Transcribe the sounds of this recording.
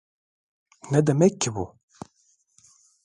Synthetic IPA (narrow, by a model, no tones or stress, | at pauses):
nɛd̪ɛmɛkʰːɪbṵ